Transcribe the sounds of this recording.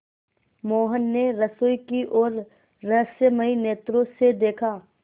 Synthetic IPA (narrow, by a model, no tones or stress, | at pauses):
moːɦənːeɾɐsoːjkiʔɔːɾː | ɐɦsjəməineːt̪ɾõsed̪eːkʰaː